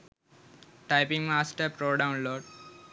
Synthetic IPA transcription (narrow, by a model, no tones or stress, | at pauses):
ʈaɪpĩŋmaːsʈəɾpɾoːɖãʊ̃nloːɖ